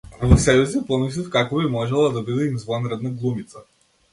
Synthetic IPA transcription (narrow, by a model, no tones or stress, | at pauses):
vɔsɛjuzipɔmis̬ifkakɔbimɔʒɛlˠad̪abid̪ɛimzvˠɔnɾɛd̪naɡlˠumit̪sa